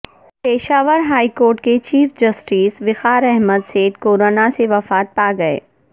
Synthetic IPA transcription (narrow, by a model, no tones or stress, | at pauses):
peːʃaːʋəɾɦaːikoːɾʈket͡ʃiːfd͡ʒɐsʈiːsʋɪxaːɾɛɦməd̪seːʈ̪koːɾoːnaseʋɐfaːt̪̚paːɡɐḛː